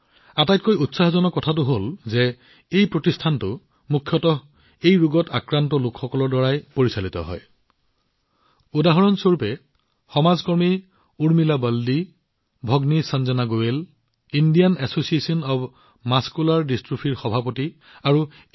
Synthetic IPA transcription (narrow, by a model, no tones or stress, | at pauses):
atajtkojutsaɦɔzɔnɔkɔtʰat̬ʊɦolzɛ | ejpɹotistʰantʊ | mukʰjɔtɔ | ejɹuɡɔtakɹantɔlokxɔkɔlɔɹdɔɹajpoɹisalitɔ̰ɦɔ̰j | udaɦɔɹɔnsoɹpɛ | xɔmazkɔɹmi | uɹmilabaldi | bʱɔɡnisanzɔnaɡowel | indijanasosiesiɔnɔb | maskulaɹdistɹupʰiɹxɔbʱapoti | aɹu